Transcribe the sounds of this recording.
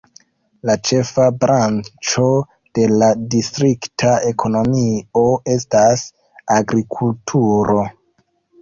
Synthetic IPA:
lat͡ʃe̞fabɾʔant͡ʃo̞ | d̥e̞ladistɾiktʰae̞kʰo̞no̞mio̞e̞stas | aɡɾikʰultʰuɾo̞

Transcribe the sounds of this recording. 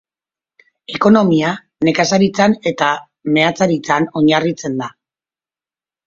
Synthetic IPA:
e̞ko̞no̞mia | ne̞kasaɾit͡sane̞t̪a | me̞at͡saɾit͡sano̞ɲarit͡se̞nd̪a

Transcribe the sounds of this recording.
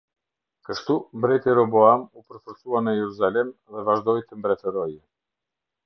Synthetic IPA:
kəʃt̪umbɾɛt̪iɾɔbɔamupəɾfəɾsuanəjɛɾuzalɛmðɛvaʒd̪ɔjt̪əmbɾɛt̪əɾɔj

